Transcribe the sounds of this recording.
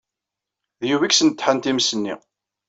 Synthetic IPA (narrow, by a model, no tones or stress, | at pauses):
ðjuwiksənt̪ːħənt̪imsənːḭ